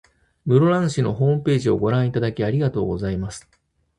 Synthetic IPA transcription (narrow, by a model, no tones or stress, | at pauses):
mɯ̟ɾoɾãɰ̃ɕino̞̰ɦo̞ːmɯ̟pe̞ːʑio̞̰ɡo̞ɾãɰ̃it̪ad̪akʲiaɾʲiɡat̪o̞ːɡo̞zaimasɨ̥